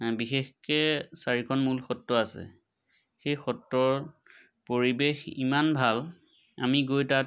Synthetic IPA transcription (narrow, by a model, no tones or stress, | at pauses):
bixexkɛsaɹikʰɔnmulxɔtːɔasɛ̰ | xejxɔtːɔɹ | poɹibexḭmanbʱal | a̰miɡojta